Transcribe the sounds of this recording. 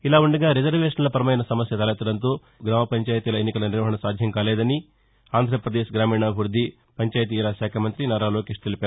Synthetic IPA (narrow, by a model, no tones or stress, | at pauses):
ilaːuɳɖɐɡaːɾid͡ʒɐɾʋeːʂɐnlɐpɐɾɐmɐjnɐsɐmɐsjɐt̪ɐːlɐːt̪ːɐɽɐnt̪oː | ɡɾaːmɐpɐɲt͡ʃaːjt̪iːlɐenːikɐlɐniɾʋɐɦɐɳɐsaːd̪ʱjɐŋkaːleːd̪ɐni | aːnd̪ʱɾɐpɾɐd̪eːʃɡɾaːmiːɳaːbʱuɾd̪ʱːi | pɐɲt͡ʃaːjɐt̪̬iːɾaːʃaːkʰɐmɐnt̪ɾinaːɾaːloːkeːʂt̪elipaːɾu